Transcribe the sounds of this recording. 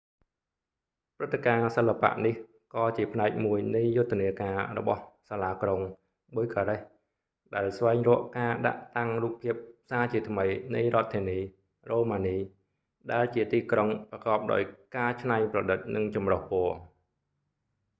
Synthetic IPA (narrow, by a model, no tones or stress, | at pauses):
prɨt̪ːekaːsəlːapa̰ʔnih | kɑːt͡ɕiəpʰnaɛk̚muəjnɨjːʊt̪ʰːeəniəkaːrɔ̰ɓɑ̰hsaːlaːkroŋ | ɓujkʰaːɾɛh | ɗaɛlsʋaɛŋrɔ̆əʔkaːɗa̰ʔt̪aŋruːpʰːiəp̚saːt͡ɕiət̪ʰməjnɨjrŏət̪ʰːiəniː | roːmaːniː | ɗaɛlt͡ɕiət̪iːkroŋprɑkɑːp̚ɗa̰ɔjkaːt͡ɕʰnaɲprɑɗɨt̪̚nɨŋt͡ɕɑmrohpoə